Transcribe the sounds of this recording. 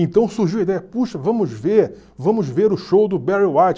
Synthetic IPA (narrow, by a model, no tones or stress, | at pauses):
ẽt̪ɐ̃w̃suhʒiwid̪ɛjɐpuʃɐvɐ̃mʊzveɾ | vɐ̃mʊzveɾʊʃowd̪ʊbɛɾiwat͡ʃ